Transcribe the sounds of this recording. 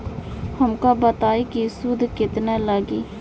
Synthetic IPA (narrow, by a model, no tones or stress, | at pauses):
həmkaːbət̪aːiːkisud̪kɪt̪nɛːləɡiː